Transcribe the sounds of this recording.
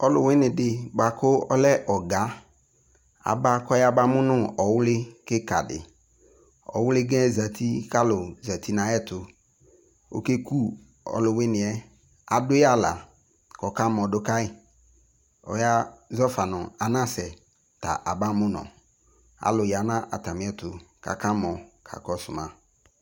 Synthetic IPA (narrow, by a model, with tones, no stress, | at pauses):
ɔ˦lʊ˨wɪ˦nɪ̃˨dɪ˨ba˨kʊ˦ɔ˦lɛ˦ʔɔ˨ɡa˨˦ | a̰˨ba˦kɔ˦ja˦ba˦mʊ˦nʊ˦ɔ˨wʊ˦lɪ˦kɪ˦ka̰˨dɪ̰˨ | ɔ̰˨wʊ˦lɪ˦ɡɛ̃˦za˨tʰi˦ka˦lʊ˨za˨ti˦nã˨˦ɛ˦˨tʊ˨ | o̰˨ke˦ku˦ | ɔ̰˨lʊ˨wɪ˦nɪ̃˨ɛ˦ | a˨dʊ˦ja˦˨la̰˨ | kɔ˨ka˦m˨ɔ˨dʊ˦ka˦ɪ˨ | ɔ̰˨ja˦zɔ˦fa˨nʊ˨a˨nã˦sɛ˨ | ta̰˨ʔa˨ba˦mʊ̃˦nɔ̰̃˨ | a̰˨lʊ˨ja˨nã˦ʔa̰˨ta˨mɪ̃˨˦ɛ˦tʊ˨ka̰˨ka˦mɔ˨kʰa̰˨kɔ˦sʊ˨mã˦